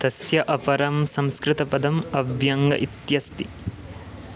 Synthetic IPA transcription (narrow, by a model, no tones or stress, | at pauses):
t̪ɐsjɐʔɐpɐɾɐmsɐ̃mskɾɪt̪ɐpɐd̪ɐmɐʋjɐŋɡɐ̰ʔit̪jɐst̪i